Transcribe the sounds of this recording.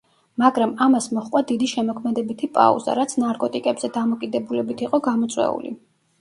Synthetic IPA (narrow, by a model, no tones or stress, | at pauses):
maɡɾamamasmɔχqʼwad̪id̪iʃɛmɔkʰmɛd̪ɛbit̪ʰipʼa̰ṵza̰ɾat̪sʰnaɾkʼɔt̪ʼikʼɛbz̥ɛd̪amɔkʼid̪ɛbulɛbit̪ʰiqʼɔɡamɔt̪sʼwɛ̰ṵlḭ